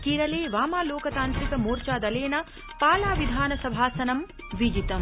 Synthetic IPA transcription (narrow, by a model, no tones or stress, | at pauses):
kiːɾɐleːʋaːmaːloːkɐt̪aːnt̪ɾikɐmoːɾt͡ʃaːd̪ɐleːnɐ | paːlaːʋid̪ʱaːnɐsɐbʱaːsɐnɐm | ʋid͡ʒit̪ɐm